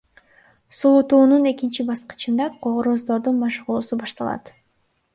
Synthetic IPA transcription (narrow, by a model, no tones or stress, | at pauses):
suut̪uːnune̞kint͡ʃibɑsqɯ̥t͡ʃɯnd̪ɑqʰoʁoɾozd̪o̞ɾd̪unmɑʃʁuːsubɑʃt̪ɑlˠɑ̰t̪